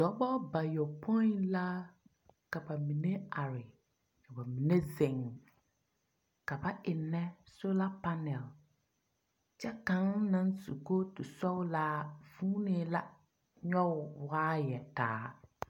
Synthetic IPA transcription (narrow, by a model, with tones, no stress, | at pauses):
d̥ɔ˨˦ɓɔ˦ba˨jɔ˨pʰɔ˦nla˦ | ka˨ba˨mi˨ne˦a˨ɾɪ˨ | ka˨ba˨mi˨ne˦zɪ˨ŋ˨ | ka˨ba˦ʔɪ˨nːɛ˦so˦la˦pa˦nɛ˨l | t͡ʃɛ˦kã˨˦ŋnã˦nsṵ˨ko˦tʊ˨sɔ˦la˦vuː˦ne˨˦la˦ | ɲɔ˦˨waː˦jɛ˨taː˨˦